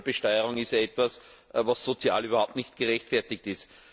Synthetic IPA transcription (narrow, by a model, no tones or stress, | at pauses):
b̥əʃtɔʏəʁʊŋɪstjaɛtv̥asvasːot͡sja̰ːlyːbɐhaʊp̚tnɪçtɡ̥əʁɛçtfɛɐtɪk̚tɪst